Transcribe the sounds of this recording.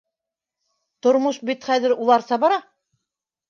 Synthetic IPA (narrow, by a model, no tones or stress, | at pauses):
t̪ŏɾmoʃbit̪χæðɘɾulˠɑɾsɑbɑɾɑ